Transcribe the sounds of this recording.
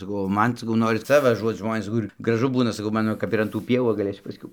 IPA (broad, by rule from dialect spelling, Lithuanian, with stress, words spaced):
sɐˈkɐʊ oː ˈmɐn sɐˈkɐʊ ˈnoːrʲɪs ˈt͡sɐ ʋɐˈʒuɔt ˈʒmoːnʲeːs ˈkʊr ɡrɐˈʒʊ ˈbuːnɐ sɐˈkɐʊ ˈmɑːnoː ˈkɐp ɪr ɐn tuː ˈpʲiɛʋuː ʋɐ ɡɐˈlʲeːsʲʊ pɐsʲˈkʲɛʊ